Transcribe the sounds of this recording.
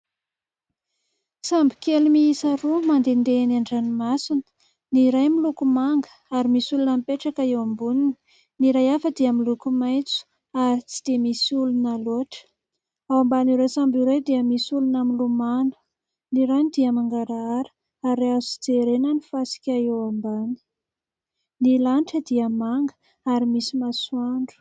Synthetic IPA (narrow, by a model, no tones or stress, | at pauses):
sambi̥kelumiisaɾumand̪end̪enaɳɖ͡ʐanimasinə̥ | niɾajmilukumaŋɡə̥aɾimisulunamipeʈ͡ʂakəewambunini | niɾajafəd̪eamilukumajt͡su̥ | aɾit͡si̥d̪̥emisulunaloaʈ͡ʂə̥ | awambaniɾesambiɾejd̪iəmisulunamilumanu̥ | niɾanid̪iəmaŋɡaɾaaɾə̥ | aɾeazuid͡zeɾenənifasi̥kʲaewambani̥ | nilanʈ͡ʂəd̪iəmaŋɡə̥ | aɾimisimaswaɳɖ͡ʐu̥